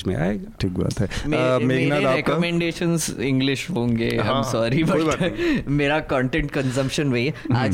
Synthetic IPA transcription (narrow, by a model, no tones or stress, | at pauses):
mḛ̃a̰ːeʈʰiːk̚ba̰ːt̪ɦɛmːmeːɡnaeɾɛkəmɛ̃ɳɖeːʃə̃nzɪ̃ŋɡlɪʃɦõːŋɡḛːã̰ɪ̃msɔːɾibɐ | meːɾakɔ̃ːɳʈẽɳʈ̚kə̃nzə̃mpʃə̃nʋeaːd͡ʒ